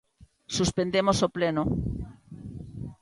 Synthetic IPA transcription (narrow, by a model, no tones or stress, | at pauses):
suspend̪emosopleno